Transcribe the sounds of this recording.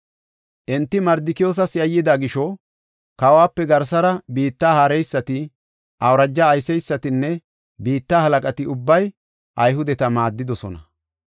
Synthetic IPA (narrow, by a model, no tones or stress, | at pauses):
ʔɛnt̪ːɪmɐɾd̪ɪkɪjo̞ːs̬ɐsɪjɐjːɪd̪aɡɪʃɔ | kɐwaːpːɛɡɐɾs̬ɐɾɐbiːt̪ːaːhaːɾɛjsːɐt̪ɪ | ʔɐwɾɐd͡ʒːɐːjsɛjsːɐt̪ɪnːɛ | biːt̪ːaːhɐlɐkʼɐt̪ɪʊbːɐj | ʔɐjɦʊd̪ɛt̪ɐmaːd̪ːɪd̪ɔsɔ̰nɐ